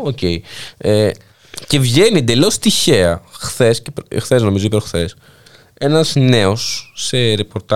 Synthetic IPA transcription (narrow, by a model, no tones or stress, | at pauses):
oceie | ce̞vʝe̞nied̪e̞lo̞st̪içe̞ɐxθe̞scepxθe̞zno̞mizoipeɾxθe̞s | e̞nɐzne̞osːeɾe̞po̞ɾt̪ɐ